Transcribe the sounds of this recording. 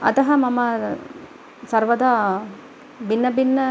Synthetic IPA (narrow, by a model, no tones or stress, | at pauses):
ɐ̰t̪ɐɦɐmɐmɐ | sɐɾʋɐd̪a | binːɐbinːɐ